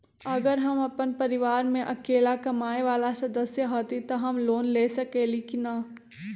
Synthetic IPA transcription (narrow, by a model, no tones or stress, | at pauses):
ɐɡəɾɦɐmɐpənpɐɾɪʋaːɾmẽʔɐkeːlakɐmaːeʋaːlasɐd̪əsjəɦoːt̪it̪oɦɐmloːnleːsɐkeːlikinaː